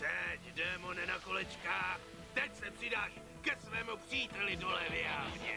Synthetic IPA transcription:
t̪ɛcdɛmonɛnakolɛt͡ʃkaːx | t̪ɛcsɛpr̝̥ɪdaːʃ | kɛsvɛːmupr̥iːt̪ɛlɪdolɛːvɪaːvɲɛ̰

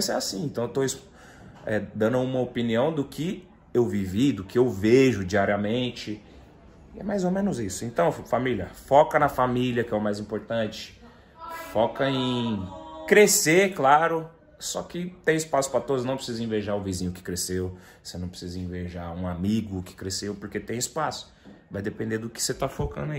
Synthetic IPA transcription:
sɛasĩẽnt̪ɐ̃w̃ewt̪ois | ɛd̪ɐ̃nʊũmɐopiniɐ̃w̃d̪ʊkʰɪ | ewvivid̪ʊkɪewveʒʊd͡ʒiaɾiɐmẽt͡ʃɪ | ɪɛ̰majzomẽnʊzisʊẽnt̪ɐ̃w̃familjɐfɔkɐnɐfamiljɐkɪɛʊmajzĩpoɾt̪ɐ̃t͡ʃɪ̥ | fɔkɐẽ | kɾeseklaɾʊ | sɔkɪt̪ẽj̃ɪspasʊ̥pɾɐt̪od̪ʊznɐ̃w̃pɾɪsizɐĩveʒaɾʊ̃vizĩɲʊkɪ̥kɾesew | senɐ̃pɾɪ̥sizɐĩveʒaũamiɡʊkɪ̥kɾesewpʊɾket̪ẽj̃ɪspasʊ̥ | vajd̪epẽnd̪ed̪ʊkɪ̥set̪afokɐ̰̃nd̪ʊai

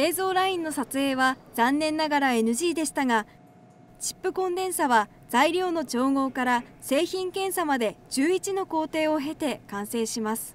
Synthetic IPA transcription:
e̞ːzo̞ːɾaĩnːo̞sat͡sɨe̞ːβaz̥ãnːẽ̞nːaɡaɾae̞nɯ̟ʑiːd̪e̞ɕi̥t̪aɡa | t͡ɕi̥pːɯ̟kõ̞nd̪ẽ̞ɰ̃saβa | z̥aiɾʲo̞ːno̞t͡ɕo̞ːŋo̞ːkaɾase̞ːçĩŋkẽ̞ɰ̃samad̪e̞d͡ʑɨːit͡ɕino̞ko̞ːt̪e̞ːoɦe̞t̪e̞kãɰ̃se̞ːɕimasɨ̥

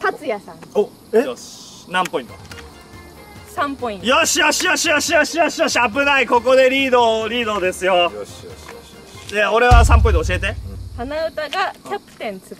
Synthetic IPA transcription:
t̪at͡sɨjasãŋo | eo | nãmpo̞ĩnt̪o | sãmpoĩjoɕijo̞ɕijoɕijoɕijoɕijo̞ɕijoɕiabɯ̟naiko̞ko̞d̪e̞ɾʲiːd̪o̞ːɾʲiːd̪o̞ːd̪e̞sɨjo̞ | d̪eo̞ɾe̞βasãmpoĩoɕie̞t̪e̞t̪anaɯt̪aɡat̪apːɯ̥t̪ẽnt͡sɨɡ

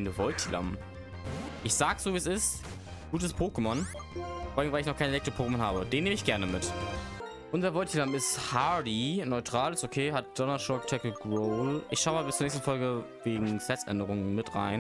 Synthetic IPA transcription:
nəvɔltʰila̰m | ʔɪçz̥aːɡəz̥oːviːsɪst | ɡ̥uːtəspʰoːkəmɔnfɔɐdɪŋvaɪlɪçnɔχkʰaɪnʔelɛk̚tʰʁopʰoːkəmɔnhaːbəd̥eːnːeːməɪçɡ̥ɛɐnəmɪt | ʔʊnzɐvɔltʰilamɪsthadinɔʏtʁ̥aːlɪstokʰeːɦat̚d̥ɔnaʃɔktʰɛkəɡʁoːlʔɪçʃaʊəmaːbɪst͡sːuɐnɛːstn̩fɔlɡəveːɡŋ̩sɛt͡sʔɛ̰ndəʁʊŋənmɪtʁa̰ɪn

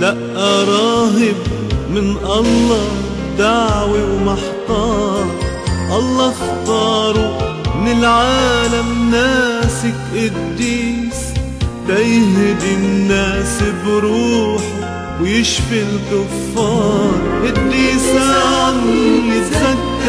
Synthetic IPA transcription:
laʔʔaɾˤɑːɦɪb | mɪnʔɑlˤːɑ | d̪aʕwiwmaħt̪ˤɑːɾˤ | ʔɑlˤːɑxt̪ɑːɾˤunɪlʕaːlamnaːsɪkʔɪd̪ːiːs | t̪ajɦd̪ɪnːaːsbɾuːħ | wjɪʃfɪlɡʊfːɑːɾˤʔɪd̪ːiːsanilɪt̪sakː

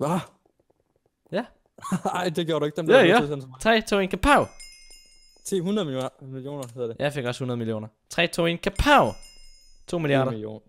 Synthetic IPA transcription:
ʋɑ | jæ | ɑɪ̰d̥e̝ɡ̥jo̰ːɐɾueɡ̥̚d̥emdosenst͡sʰʁɛ̰ːt͡sʰo̰ːenkʰæpʰaʊ | t͡sʰḭːhunɐðˠmiljo̝̰ːnɐheðˠɐdejʔɑɪfe̝ɡ̥ɒ̽shunɐð̞̩ˠmilio̝̰ːnɐt͡sʰʁɛ̰ːt͡sʰo̝ːenkʰæpʰaʊ | t͡sʰo̝̰ːmiliɑ̰ːɾɐo̰ːn

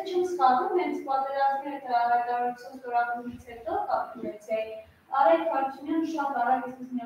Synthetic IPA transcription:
t͡ʃʰɛmsχɑnumhɛnt͡sʰpɑt̪ɛɾɑzmɛɾət̪əɾɑɦɑjt̪ɑɾɑɾut͡sʰjɑnst̪ɔɾɑɡumit͡sʰhɛt̪ɔʔɑχəvɛt͡sʰjɛji | ɑɾɛkhɑɾt͡sʰunjɑnəʃɑt̪ɑrɑkjɛsɛsnɛ

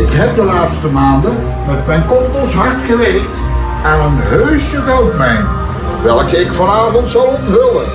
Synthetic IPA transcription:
ɪkɦɛp̚dəlaːtstəmaːndə | mɛtmɛjnkɔltɔsɦɑrtxəreːkt | aːnənɦøɥsjəkowtmɛjn | ʋɛlˠkəɪkfɑnaːvɔntsɑlˠɔntɦɵlə

